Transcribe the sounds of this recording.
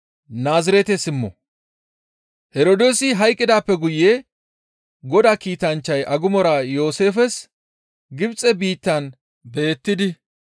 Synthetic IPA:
naːzɪɾɛt̪ɛsɪmːɔ̰ | hɛɾoːd̪eːsɪɦɐjkʼːɪd̪aːpːɛɡʊjeː | ɡɔd̪aːkiːt̪ɐnt͡ʃːɐjʔɐɡʊmɔɾajo̞ːse̞ːfɛs | ɡɪbt͡sʼɛbiːt̪ːɐn | be̞ːt̪ːɪd̪ɪ

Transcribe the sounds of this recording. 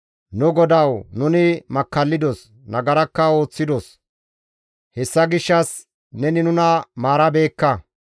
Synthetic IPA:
nʊɡɔd̪ɐwnʊnɪmɐkːɐlːɪd̪ɔs | nɐɡɐɾɐkːɐo̞ːt͡sːɪd̪os | hɛsːɐɡɪʃːɐs | nɛnɪnʊnɐmaːɾɐbe̞ːkːɐ

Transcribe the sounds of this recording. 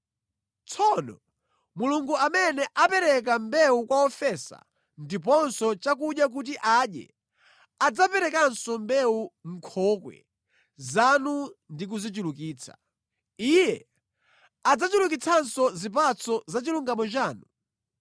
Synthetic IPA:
t͡sʰɔnɔ̰ | muluŋɡuamɛnɛʔapɛɾɛk̬ambɛukwaɔfɛsa̰ | ndip̬ɔnsɔt͡ʃak̬uɗjak̬ut̬iʔaɗjɛ̰ | ad͡zapɛɾɛkansɔmbɛuŋ̩kʰɔkwɛ̰ | zanundik̬uzit͡ʃulukiːt͡sʰḁ̰ | ijɛ | ad͡zat͡ʃulukit͡sʰansɔzip̬at͡sʰɔzat͡ʃiluŋɡamɔt͡ʃaːnu

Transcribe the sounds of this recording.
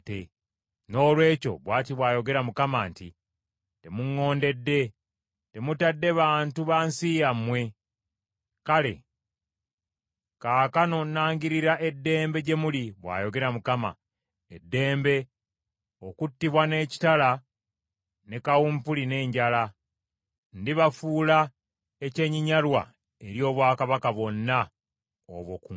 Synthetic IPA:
te | no̞ːlwe̞ːco̞̰βwaːtiβwaːjo̞ɡe̞ɾamukamaːntḭ | te̞muŋːo̞ːnde̞dːe̞ | te̞mutadːe̞βaːntuβansijamwe̞ | kale̞̰ | kaːkano̞nːaːŋɡiɾiɾaʔe̞dːe̞ːmbe̞ɟe̞muliβwa̰ːjo̞ɡe̞ɾamukama̰ | edːe̞ːmbe̞ | o̞kutːiβwane̞ːci̥tala | ne̞kawumpuline̞ːɲɟala | ndiβafuːla | ece̞ːɲiɲalwa̰ | eɾjo̞ːβwaːkaβakaβwo̞nːa | o̰βwoku

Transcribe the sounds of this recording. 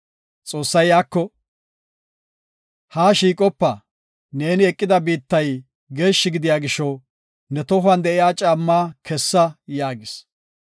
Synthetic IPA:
t͡sʼo̞ːsːɐjaːkːɔ | haːʃiːkʼɔpːɐ | ne̞ːnɪɛkʼːɪd̪ɐbiːt̪ːɐj | ɡe̞ːʃːɪɡɪd̪ɪjaːɡɪʃɔw | nɛt̪ɔɦʊɐnd̪ɛʔɪjaːt͡ʃʼaːmːaːkʰɛsːɐjaːɡɪs

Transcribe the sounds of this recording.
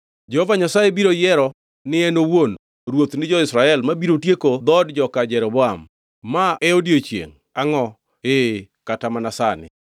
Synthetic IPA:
d͡ʒɛhovaɲasaebiɾojɛɾɔ | nɪɛnowon | ɾwot̪nɪd͡ʒɔɪsɾaɛlmabiɾotjekod̪ɔdd͡ʒɔkad͡ʒɛɾobɔamː | aɛodjot͡ʃjḛŋ | aŋɔ | e | katamanasanɪ̰

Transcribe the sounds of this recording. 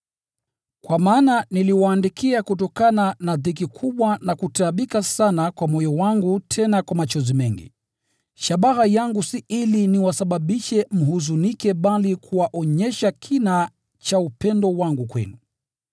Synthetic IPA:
kwamaːnaniliwaːndikʰiakutɔkananaðik̬ikʰuɓwanakutaɓikasanakwamɔjɔwaŋɡutʰɛnakwamat͡ʃɔzimɛŋɡḭ | ʃaɓaɣajaŋɡusiiliniwasaɓaɓiʃɛm̩ɦuzunikɛɓalikʰuwaʔɔɲɛʃakʰina | t͡ʃaupɛndɔwaŋɡukwɛ̰nu

